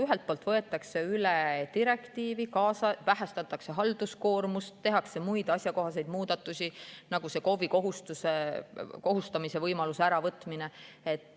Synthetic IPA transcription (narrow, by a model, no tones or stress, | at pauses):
yɦelt̪̚polt̪vɤe̞t̪ːˑɑkse̞ylɛt̪iɾe̞kt̪iːvikɑːsɑvæɦæst̪ɑt̪ːˑɑkse̞ɦɑld̪̥usko̞ːrmust̪ːeɦɑkse̞mujd̪̥ɑsʲjɑko̞ɦɑs̬e̞jd̪̥muːd̪̥ɑt̪ːˑusʲinɑɡ̥use̞ko̞viko̞ɦust̪use̞ko̞ɦust̪ɑmise̞vɤjmɑluseæɾɑvɤt̪ˑmine | et̪ːˑ